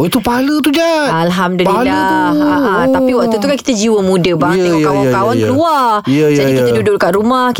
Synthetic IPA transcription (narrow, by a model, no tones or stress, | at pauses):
oit̪upaalət̪ud͡ʒa | alɦamdulila | aapt̪apiwaʔt̪ut̪ukaki̥t̪əd͡ʒiwəmũdəbakaakawankəluad͡ʒadikit̪ədudʊʔdəkat̪ɾumahk